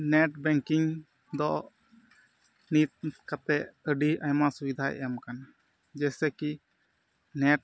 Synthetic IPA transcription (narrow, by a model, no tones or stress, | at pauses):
nɛʈ̚bɛŋkiŋ | d̪ɔʔʔ | nit̪̚kat̪ɛʔəɖiʔajmasubid̪ʱaʔɛ̰jamkana | d͡ʒɛsɛki | nɛʈ̚